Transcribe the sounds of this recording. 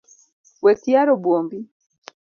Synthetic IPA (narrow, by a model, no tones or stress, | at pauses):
bwekiaɾobwoːmbi